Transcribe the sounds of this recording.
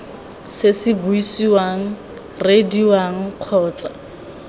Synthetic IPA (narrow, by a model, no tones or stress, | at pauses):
sɪsɪbuisiwaŋ̩ | rediwaŋ̩q͡χʰɔːt͡sa